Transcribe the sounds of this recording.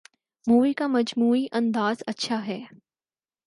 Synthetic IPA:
muːʋikamɐd͡ʒmuːiʔɐ̃nd̪aːzɐtːʃʰaɦɛː

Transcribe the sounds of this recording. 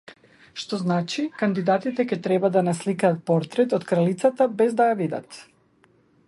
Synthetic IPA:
ʃt̪ɔznat͡ʃikand̪id̪at̪it̪ɛkɛt̪ɾɛbad̪anaslikaːt̪̚pɔɾt̪ɾɛt̪ɔt̪kɾalit̪sat̪abɛzd̪ajavid̪a̰t̪

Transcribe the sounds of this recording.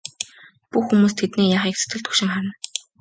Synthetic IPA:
puxːumuːst̪ʰet̪niːjaːχiːk̚t͡sʰɵ̥t̪ɡɘ̆ɮt̪xɵkʃɪ̆ŋχaɾə̆n

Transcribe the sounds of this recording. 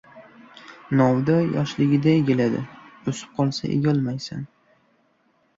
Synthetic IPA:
nɒwd̪ajɒʃlɪɡʲɪd̪aeɡʲelad̪ɪ̰ʊsɪ̥p̚qʰɒlˠsaʔḛɡʲɒlˠmajsan

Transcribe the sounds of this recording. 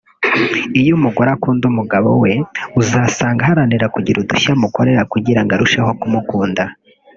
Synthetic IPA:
ijumuɡoɾakuːndumuɡaβo̰we̞uzaːsaːŋɡahaɾaniɾakuɟiɾuduçamuko̞ɾe̞ɾakuɟiɾaŋɡaɾuʃeho̞kumukuːnda

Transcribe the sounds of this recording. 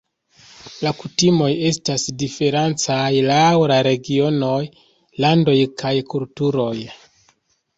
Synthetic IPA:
lakutimo̞je̞stasdife̞ɾant͡sajlawɾaɾe̞ɡio̞no̞j | lando̞jkʰajkultuɾo̞j

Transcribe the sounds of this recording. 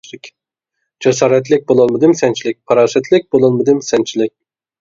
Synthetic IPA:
kʲ | d͡ʒɛs̬ɑːɾɛt̪̬lɪk̚ʲbolˠɑlˠmɨd̪ɨmsɛnt͡ʃʰilɪk̚ʲpʰɑɾɑːsɛt̪ʰlɪk̚ʲbolˠɑlˠmɨd̪ɨmsɛnt͡ʃʰilɪk̚ʲ

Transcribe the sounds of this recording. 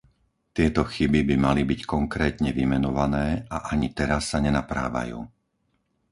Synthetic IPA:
t̪ɪɛt̪ɔxibibimalibickɔŋkɾɛːt̪ɲɛʋimɛnɔʋanɛːaʔaɲit̪ɛɾasːaɲɛnapɾa̰ːʋa̰jṵː

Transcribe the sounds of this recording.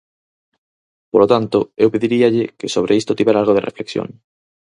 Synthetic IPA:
polot̪ant̪oewpeðiɾiaʎɪkɪsoβ̞ɾeist̪ot̪iβɛɾaalɣoðerḛflḛksjõ̰ŋ

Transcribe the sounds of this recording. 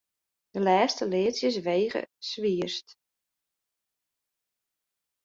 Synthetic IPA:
d̥əlɛːstəlɪːətsjəs̬ʋeːɣə̰sʋiəst

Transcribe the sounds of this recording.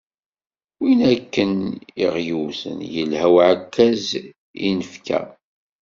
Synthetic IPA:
winækːəniʁjuwθə̰njəlhæwʕakːæz | ḭnəfkæ̰

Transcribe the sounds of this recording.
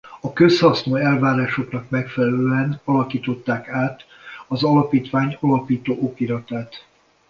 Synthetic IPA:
ɒkø̞shɒsnoːɛlvaːɾaːʃo̞knɒkmɛkfɛlɛløɛnɒlɒkiːt̪o̞t̪ːaːkaːt̪ | ɒzɒlɒpiːt̪ʋaːɲɒlɒpiːt̪oːʔokiɾɒt̪aːt̪

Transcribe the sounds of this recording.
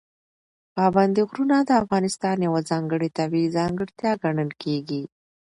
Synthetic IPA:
pɑband̪eɣɾunad̪əafɣɑnɪst̪ɑnjawazɑŋɡəɽet̪abizɑŋɡəɽt̪jɑɡaɳəlkʰeɡi

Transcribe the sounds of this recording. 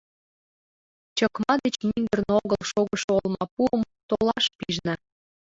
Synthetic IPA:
t͡ɕə̆kmɑd̪et͡ɕmiŋɡ̪ə̆rnoɣəlʃoɣəʃolmɑpuəm | t̪olɑʃpiʒnɑ

